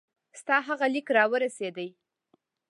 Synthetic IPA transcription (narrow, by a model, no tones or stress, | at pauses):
st̪ɑɦaɣalikɾɑwəɾased̪əj